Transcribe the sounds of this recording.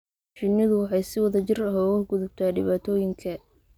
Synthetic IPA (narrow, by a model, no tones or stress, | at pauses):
ʃɪnɪðʊwɑħɑjsɪwɐðɐt͡ʃɪrɐɦɔɣɐɡʊðʊb̚t̪ʰaːɖɪβaːt̪ʰɔːjɪŋkʰɐ